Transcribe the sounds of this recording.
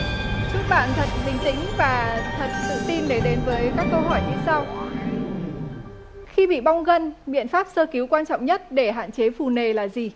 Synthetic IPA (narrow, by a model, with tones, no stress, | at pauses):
t͡ɕɨ˦˥ək̚ɓa̰ː˧˨nt̪ʰə˨˩t̚hï˨˩ŋ̟t̪ï˧˥ŋ̟vaː˨˩t̪ʰə˨˩t̚fu˧˨˦t̪i˧nɗe˨˩ɗe˨˦nvəː˨˦jkaː˦˥kːə˧wɦɔ̰˧˩jɲɨ˧sa˧w | xi˧ɓḭ˧˨ɓa˧wŋ͡mɣə˧nɓḭ˧˨ənfaː˦˥p̚səː˧ki˨˦wkwaː˧nt͡ɕɔ̰˧˨wŋ͡mɲə˦˥t̚ɗe˧˩ɦa̰ː˧˨nt͡ɕe˨˦fu˨˩ne˨˩laː˨˩zi˨˩